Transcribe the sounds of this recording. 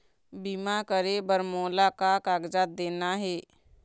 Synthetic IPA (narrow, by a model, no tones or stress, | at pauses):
biːmakəɾebəɾmoːlakakaːɡd͡ʒaːt̪̚d̪eːnaɦɛː